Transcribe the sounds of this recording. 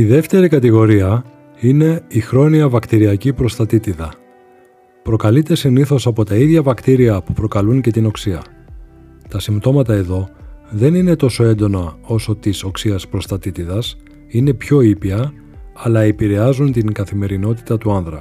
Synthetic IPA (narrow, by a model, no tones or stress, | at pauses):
iðe̞ft̪e̞ɾikɐt̪iɣo̞ɾiɐ | ine̞ixɾo̞niɐvɐkt̪iɾiɐcipɾo̞st̪ɐt̪it̪iðɐ | pɾo̞kɐlit̪e̞siniθo̞sɐpo̞t̪ɐiðʝɐvɐkt̪iɾiɐpupɾo̞kɐluɲce̞t̪ino̞ksiɐ | t̪ɐsimbt̪o̞mɐt̪ɐe̞ðo̞ðe̞nine̞t̪o̞so̞e̞nd̪o̞nɐo̞so̞t̪iso̞ksiɐspɾost̪ɐt̪it̪iðɐs | ine̞pço̞ipiɐ | ɐlɐepiɾe̞ɐzunt̪iŋɡɐθime̞ɾino̞t̪i̥t̪ɐt̪uɐnðɾɐ̰